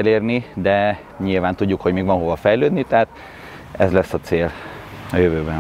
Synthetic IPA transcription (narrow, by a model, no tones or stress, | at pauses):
leːrnid̪ɛ | ɲilvaːnt̪uɟːukho̞ɟmeːɡvʋɒnɦovɒfɛjløːd̪nit̪ɛɦaːt̪ | ɛzlɛsːɒt̪seːlɒjøvøːbɛn